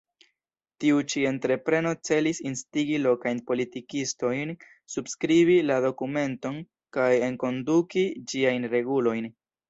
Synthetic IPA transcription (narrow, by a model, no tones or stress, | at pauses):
tiut͡ʃie̞ntɾe̞pɾe̞no̞t͡se̞lisinstiɡilo̞kajnpo̞litikisto̞jn | subskɾiβilado̞kume̞nto̞n | kaje̞ŋko̞ndukid͡ʒiajnɾe̞ɡulo̞jn